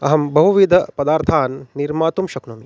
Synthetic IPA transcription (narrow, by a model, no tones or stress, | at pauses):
ɐ̰ɦɐmbɐɦuʋid̪ʱɐpɐd̪aːɾt̪ʰaːnːiɾmaːt̪umʃɐknumi